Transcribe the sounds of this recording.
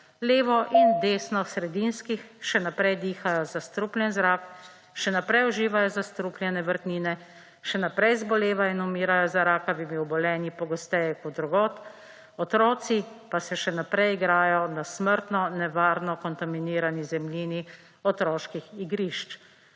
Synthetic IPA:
leːʋɔʔind̪eːsnɔsɾɛd̪inskixʃɛnapɾɛjd̪iːxajɔzast̪ɾuplʲjɛnzɾaːk | ʃɛnapɾɛjɔʒiːʋajɔzast̪ɾuplʲjɛnɛʋəɾt̪niːnɛ | ʃɛnapɾɛjzbɔleːʋainumiːɾajɔzaɾaːkaʋimiɔbɔlɛːnipɔɡɔst̪ɛjɛkɔt̪̚d̪ɾuɡɔːt̪ | ɔt̪ɾɔːsipasɛʃɛnapɾɛjiɡɾaːjɔnasməɾt̪nɔnɛʋaːɾnɔkɔnt̪aminiːɾanizɛmliːni | ɔt̪ɾɔːʃkixiɡɾiʃt͡ʃ

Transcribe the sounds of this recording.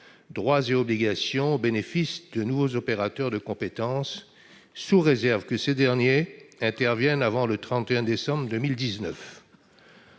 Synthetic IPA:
d̪ʁwazeɔbliɡasjɔ̃benefisd̪ənuvozɔpeʁat̪œʁd̪əkɔ̃pet̪ɑ̃sː | uʁezɛʁvkəsed̪ɛʁnjeɛ̃t̪ɛʁvjɛnavɑ̃lət̪χɑ̃t̪eɛ̃d̪esɑ̃bʁd̪əmild̪iznœf

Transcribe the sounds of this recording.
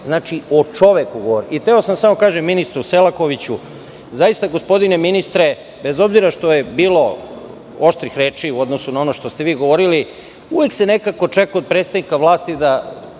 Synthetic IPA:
znaːt͡ʃiot͡ʃo̞ʋekuɡoʋoɾiit̪eosamsamo̞kaːʒemːinist̪ɾuse̞lako̞ʋit͡ɕu | zajist̪aɡo̞spo̞d̪ine̞minist̪ɾe̞ | be̞zo̞bziɾaʃt̪o̞jebiːlo̞ | oʃt̪ɾixɾe̞ːt͡ʃiuo̞d̪no̞sunao̞no̞ʃt̪o̞st̪e̞ʋiːɡo̞ʋo̞ɾili | uʋe̞ksene̞kako̞t͡ʃekaod̪̚pɾet̪st̪aʋnikaʋlˠaːst̪id̪a

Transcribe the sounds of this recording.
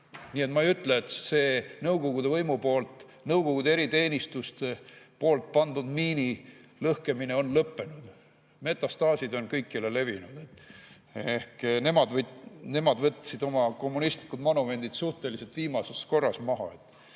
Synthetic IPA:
niːe̞t̪mɑejyt̪ːˑleet̪se̞ːnɤwɡo̞ɡ̥ud̪̥e̞vɤjmupo̞ːlt̪ˑ | nɤwɡ̥o̞ɡ̥ud̪ee̞ɾit̪e̞ːnʲist̪ust̪epo̞ːlt̪̚pɑnd̪ud̪miːnilɤhke̞mine̞o̞nlɤpːe̞nud̪̥ | me̞t̪ˑːɑst̪ɑːsid̪o̞nkɤjkːˑilele̞vinud̪̥e̞t̪ːˑ | ehkne̞mɑd̪vne̞mɑd̪vɤt̪ʲːˑsid̪o̞mɑko̞mːunist̪likːˑud̪̥mɑnume̞nd̪̥id̪̥suht̪e̞lise̞lt̪viːmɑse̞sko̞rːɑsmɑɦɑ̰e̞t̪ːˑ

